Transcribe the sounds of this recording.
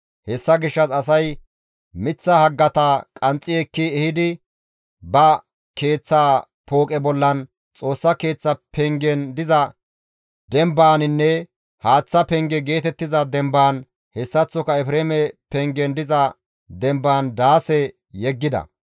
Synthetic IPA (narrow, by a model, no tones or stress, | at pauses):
hɛsːɐɡɪʃːɐsɐs̬ɐj | mɪt͡sːɐhɐɡːɐt̪ɐkʼɐnt͡sʼːɪɛkːɪɛhɪd̪ɪ | bɐ | ke̞ːt͡sːaː | poːkʼɛbɔlːɐn | t͡sʼo̞ːsːɐke̞ːt͡sːɐpɛŋɡɛnd̪ɪzɐ | d̪ɛmbaːnɪnːɛ | haːt͡sːɐpɛŋɡɛɡe̞ːt̪ɛt̪ːɪzɐd̪ɛmbaːn | hɛsːɐt͡sːɔkɐɛfɾeːmɛpɛŋɡɛnd̪ɪzɐ | d̪ɛmbaːnd̪aːsɛ | jɛɡːɪd̪ɐ̰